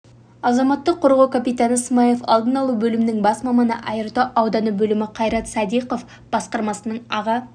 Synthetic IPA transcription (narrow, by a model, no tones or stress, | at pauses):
ɑzɑmɑt̪ːəqʰːoɾʁɑwkʲʰapijt̪ɑnəsmɑjefɑ̰lˠd̪ənɑlˠubɵlɪmɪnɪŋbɑsmɑmɑnə̰ʔɑjəɾt̪əʔɑwd̪ɑnəbɵlɪmɪqʰɑjɾɑt̪sɑd̪ijqo̞f | b̥ɑsqɑɾmɑsənəɴɑʁɑ